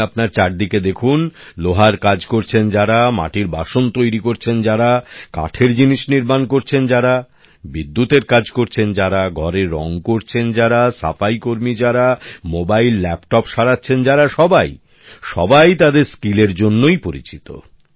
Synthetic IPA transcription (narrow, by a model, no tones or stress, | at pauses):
apnaɾt͡ɕaɾd̪iked̪ekʰunloɦaɾkad͡ʑkoɾt͡ɕʰend͡ʑaɾama̰ʈiɾbaʃont̪ojɾikoɾt͡ɕʰend͡ʑaɾaka̰ʈʰeɾd͡ʑiniʃniɾmankoɾt͡ɕʰend͡ʑaɾa | bid̪ːut̪eɾkad͡ʑkoɾt͡ɕʰend͡ʑaɾaɡʱɔɾeɾɔ̰ŋkoɾt͡ɕʰend͡ʑaɾasa̰faikoɾmid͡ʑaɾamobailːɛpʈɔpʃaɾatːɕʰend͡ʑaɾaʃɔbaj | ʃɔ̰bajt̪ad̪eɾskileɾd͡ʑonːojpoɾḭt͡ɕit̪o̰